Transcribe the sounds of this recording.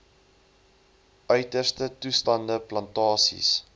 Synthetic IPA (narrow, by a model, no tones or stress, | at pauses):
ʔœɥtərstətustɐndəplɐntɑːsḭs